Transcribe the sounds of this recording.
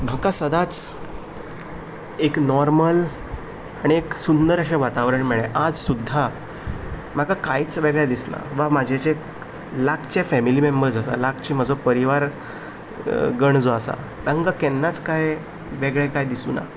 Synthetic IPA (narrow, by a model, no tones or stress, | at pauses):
bʱəkasəd̪at͡s | eknɔɾməl | aɽ̃ieksund̪əɾəɕeʋat̪aʋɾəɳmɛɭɛʔad͡zsud̪ʱːa | m̤akakajt͡sʋeɡɭjad̪isna̰ʋamad͡ʑʱet͡ɕe | lakʰt͡ɕefɛmilimembəɾd͡zasa̰lakt͡ɕim̤əd͡zʱopəɾiʋaɾ | ɡəɳd͡zoasa̰ | d̪ãŋɡakɛnːat͡skaj | ʋeɡɭɛkajd̪isṵːna̰